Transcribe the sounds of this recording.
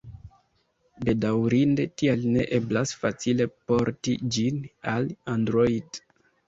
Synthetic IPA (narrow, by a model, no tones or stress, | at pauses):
be̞dawɾinde̞tialne̞̰ʔeblasfat͡sile̞po̞ɾtid͡ʒinalandɾojid